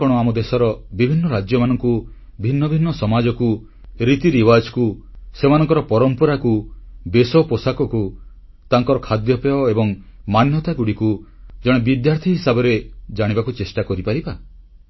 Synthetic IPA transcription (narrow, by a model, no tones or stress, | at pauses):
ɔɽ̃ɔamɔd̪esɔɾɔbibʱinːɔɾad͡ʒjɔmanɔŋku | bʱinːɔbʱinːɔsɔmad͡ʒɔku | ɾit̪iɾiwad͡ʒkusemanɔ̃ŋkɔɾɔpɔɾɔmpɔɾakubesɔposakɔku | t̪aŋkɔɾɔkʰad̪jɔpeɔebɔŋ | manjɔt̪aɡuɽiku | d͡ʒɔɽ̃ebid̪jaɾt̪ʰiɦisabɔɾed͡ʒaɽ̃ibakut͡ʃesʈakɔɾipaɾiba